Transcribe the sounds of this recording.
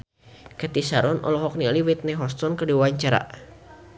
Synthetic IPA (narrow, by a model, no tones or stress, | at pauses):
kɛt̪isaɾɔnʔɔ̰lɔɦɔk̚nialiwit̪̚nɛɦɔst̪ɔnkədiwaɲt͡ʃaɾa̰